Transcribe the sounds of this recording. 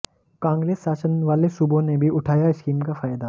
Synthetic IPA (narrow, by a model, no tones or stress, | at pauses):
kãːŋɡɾeːsːaːsənʋaːlesubõnebʱiʔʊʈʰaːjaɪskiːmkafaːjd̪a